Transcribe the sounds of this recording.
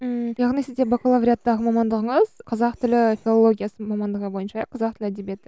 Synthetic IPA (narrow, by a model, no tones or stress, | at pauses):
əjɑʁnisɪzd̪e̞bɑkolˠavɾʲjat̪ːɑʁəmɑmɑnd̪əʁəɴəzqʰɑzɑqt̪ʰʏlɪfʲilˠo̞lˠo̞ɡʲijasəmɑmɑnd̪əʁəbo̞jənʃɑjɑqʰɑzɑqt̪ɪlɪæd̪e̞bje̞t̪ɪ